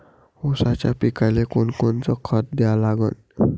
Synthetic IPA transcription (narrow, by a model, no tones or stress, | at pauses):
osat͡ɕjapikalekonkont͡sɔkʰət̪̚d̪ɛalaɡə̰n